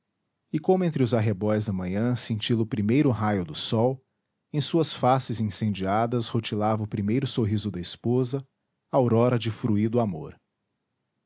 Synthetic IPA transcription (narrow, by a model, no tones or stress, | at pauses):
ɪkõmʊẽnt̪ɾɪʊzaɦebɔjzd̪ɐmɐ̃ɲɐ̃sẽnt͡ʃilʊpɾimejɾʊɦajʊd̪ʊsɔw | ẽj̃suɐsfasɪzĩsẽnd͡ʒiad̪ɐshot͡ʃilavɐʊpɾimejɾʊsoɦizʊd̪ɐɪspozɐ | awɾɔɾɐd͡ʒɪfɾuid̪ʊamo̰ɾ